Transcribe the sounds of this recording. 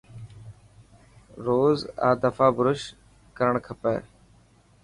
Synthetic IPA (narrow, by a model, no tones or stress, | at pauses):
ɾoːza̰ːd̪əfaːbʊɾʊʃ | kəɾəɳkʰəpeː